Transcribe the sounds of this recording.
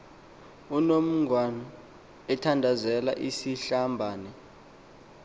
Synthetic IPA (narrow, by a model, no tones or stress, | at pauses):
unom̩ŋʱwanɔ | ɛtʰandʱazɛla̰ʔisiɬambʱaːnɛ